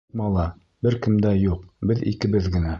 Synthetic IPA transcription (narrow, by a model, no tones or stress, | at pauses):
mɑlˠɑ | bɘɾkɘ̆md̪æjuqbɘðḭkɘ̆bɘðɡɘ̆næ